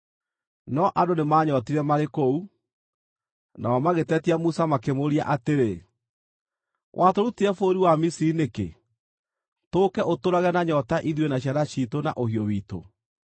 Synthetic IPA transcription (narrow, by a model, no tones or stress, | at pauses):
nɔʔadonemaɲɔtiɾɛmaɾekou | naɔmaɣetɛtiamusamakemoɾia̰ʔateɾe | wʔatoɾutiɛfoɾiwamisiɾinekḛ | toːkɛʔotoɾaɣɛnaɲɔtaʔiðwenaɕjaðaɕitona̰ʔohiowiːto̰